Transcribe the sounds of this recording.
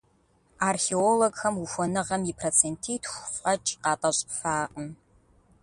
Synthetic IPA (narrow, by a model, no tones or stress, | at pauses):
arxeoloɡxɐmufʷɔnɨʁɐmipʰrot͡sʰentʰiːtʰxʷʼɐt͡ʃʼqɑːtʼɐɕʼfaːqʼəm